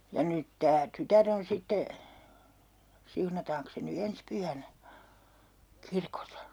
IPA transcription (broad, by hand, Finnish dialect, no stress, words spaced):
jɑ nyt tæː tytær on sitːe siunɑtɑːŋks se ny ens pyhænæ kirkosɑ